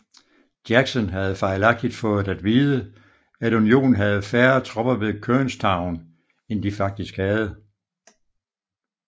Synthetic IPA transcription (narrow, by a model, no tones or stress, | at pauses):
d̥jæɡ̥sɔnɦæð̞̩ˠfɑ̈ɪlɑ̈ɡ̥̚d̥id̥fɔ̽ːð̩ˠdæd̥ʋiːðˠə | æɾunio̝̰ːnn̩ɦæð̞̩ˠfæːɐt͡sʰʁɒ̽b̥ɐʋe̝ðˠkʰønstʰɑ̈ʊn | end̥ifɑ̈ɡ̥̚d̥isɡ̥hæð̩ˠə